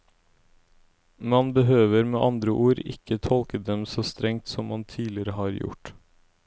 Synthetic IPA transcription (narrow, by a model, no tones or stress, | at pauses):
mɑnbəɦøːʋəɾmeːʔɑnd̪ɾəʔuːɾɪ̰kət̪ʰɔlkəd̪ɛmsoːst̪ɾɛŋt̪sɔmmɑnt̪ʰiːlɪɾəhɑːɾjʊ̰ʈ